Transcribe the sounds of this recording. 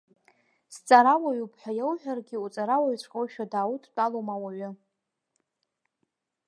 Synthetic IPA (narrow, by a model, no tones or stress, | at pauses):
st͡sʼaɾawaɥupʰħʷᶣajawħʷᶣarɡʲɪut͡sʼaɾawaɥt͡ɕʷʰqʼowʃᶣadaːwutʼʰt͡pʼalomawaɥʊ